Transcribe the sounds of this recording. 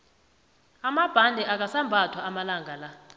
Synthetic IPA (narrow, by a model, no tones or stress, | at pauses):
amab̥ʱandʱɛʔak̬asambʱatʰwaːmalaŋɡʱala